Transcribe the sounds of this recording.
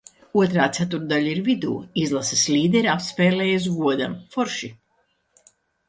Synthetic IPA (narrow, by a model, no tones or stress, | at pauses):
uɔt̪ɾaːt̪sæt̪̬uɾd̪aʎaiɾvid̪ṵːizlˠasɨslʲiːd̪ɛɾʲapspɛːlɛːjas̬vuɔd̪amfɔɾʃi